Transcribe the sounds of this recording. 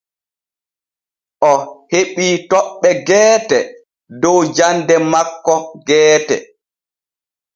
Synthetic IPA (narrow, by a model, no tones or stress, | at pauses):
ʔɔheɓiːtɔɓːɛɡɛːtɛ | dɔwd͡ʒandɛmakːɔɡɛːtɛ̰